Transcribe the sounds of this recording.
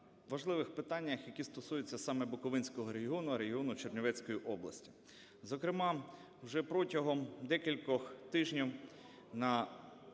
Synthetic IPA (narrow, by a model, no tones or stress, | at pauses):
ʋɐʒlˠɪʋɪxpɪt̪ɑnʲːɐxjɐkʲist̪ɔsujʊt͡sʲːɐsɑmɛbʊkɔʋɪnʲsʲkɔɦɔɾeɦiɔnʊɐɾeɦiɔnʊt͡ʃernʲɔʋɛt͡sʲkɔjiʔɔblˠɐ̰sʲtʲi̥ | zɔkɾɪmɑ | wʒɛpɾɔtʲɐɦɔmd̪ɛkʲilʲkɔxt̪ɪʒnʲiw | nɐ